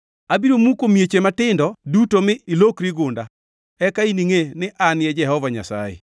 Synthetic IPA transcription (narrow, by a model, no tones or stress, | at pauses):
abiɾomukomjet͡ʃematɪndɔdutomɪilokɾiɡʊnda | ɛkainiŋenɪʔanjɛd͡ʒɛhɔvaɲa̰sa̰jḛ